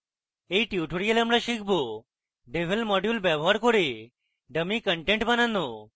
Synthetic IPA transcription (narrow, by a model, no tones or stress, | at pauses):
eiʈjuʈʰoɾijalamɽaʃikʰbo | ɖeʋʱelmɔɖjulbɛbɔɦaɾkɔɾe | ɖəmikəɳʈẽɳʈbanano